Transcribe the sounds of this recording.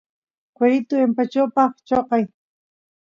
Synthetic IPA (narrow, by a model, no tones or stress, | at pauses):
kweɾɪt̪ʊempat͡ʃawpɑχt͡ʃoqɑj